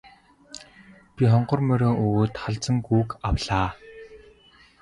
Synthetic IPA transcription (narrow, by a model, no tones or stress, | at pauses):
pʲiχɔɴɢɞ̆rmœɾʲoːʔɵɣoːt̪χaɮt͡sə̆ŋɡuːkawɮaː